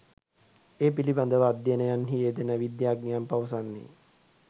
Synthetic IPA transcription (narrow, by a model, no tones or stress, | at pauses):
eːpiliband̪əʋəːd̪jenəjanɦijed̪enəʋid̪jaːɡ̚nijampaʋəsanːḭ